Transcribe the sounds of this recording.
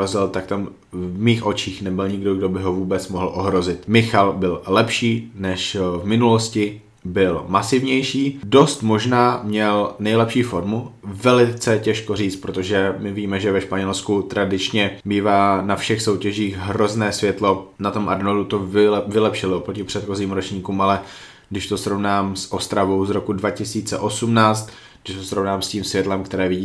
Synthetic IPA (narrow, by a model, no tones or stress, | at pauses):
ozɪlt̪ak̚t̪am | vmiːxʔo̞t͡ʃiːxnɛbɪlɲɪɡdo̞ɡdobɪɦo̞vuːbɛt͡smoɦl̩ʔoɦɾo̞zɪt̪mɪxalbɪllɛpʃiːnɛʃvmɪnuloscɪ | bɪlmasɪvɲɛjʃiːdo̞st̪mo̞ʒnaːmɲɛlnɛjlɛpʃiːfo̞ɾmuvɛlɪt͡sɛcɛʃkoriːt͡st̪̚pɾot̪oʒɛmɪviːmɛʒɛvɛʃpaɲɛlskut̪ɾʔadɪt͡ʃɲɛbiːvaːnafʃɛxso̞wcɛʒiːɣɦɾo̞znɛːsvjɛt̪lo̞nat̪o̞mʔadnoldut̪ovɪlɛpʃɪloopɾocɪpr̝̥ɛt̪xo̞ziːmɾot͡ʃɲiːkuːmalɛ | ɡdɪʃt̪o̞sɾo̞vnaːmsʔo̞st̪ɾavo̞wzɾo̞kudvacɪsiːt͡sɛʔo̞sumnaːt͡st̪ | ɡdɪʃt̪osɾo̞vnaːmsciːmsvjɛt̪lɛmkt̪ɛɾɛːvɪɟiː